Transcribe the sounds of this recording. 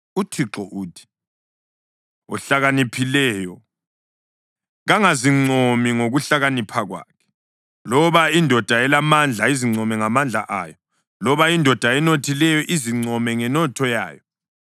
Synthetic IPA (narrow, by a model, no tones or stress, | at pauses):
utʰiǁɔʔuːtʰi̥ | ɔ̰ɬaɣanipʰilɛːjɔ | ɣaŋaziŋ͡ǀʱomiŋoɣuɬaɣanipʰaɣwa̰kʰɛ̥ | lɔβaindʱɔd̥ʱaɛlamand͡ɮʱaiziŋ͡ǀʱɔmɛŋamand͡ɮʱa̰ʔaːjɔ | lɔβaindʱɔd̥ʱaɛnotʰilɛjɔʔiziŋ͡ǀʱɔmɛŋɛnɔtʰɔja̰ːjɔ